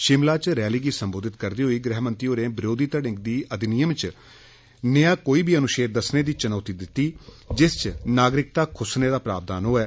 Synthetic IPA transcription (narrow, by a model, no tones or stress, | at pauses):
ʃɪmlaːt͡ʃɾɛːliːɡiːsəmboːd̪ɪt̪kəɾd̪iːɦoiːɡɾɛːɦmənt̪ɾiːoːɾẽːbɪɾoːd̪iːt̪əɽɪ̃ŋɡd̪iːʔəd̪ɪnijəmt͡ʃ | nɪjãːkoːiːbʱiːənʊʃeːɾd̪əsneːd̪iːt͡ʃənoːt̪iːd̪ɪt̪ːiː | d͡ʒɪst͡ʃnaːɡɾɪk̚t̪aːkʰʊsneːd̪aːpɾa̰ːb̚d̪aːnɦoːɛː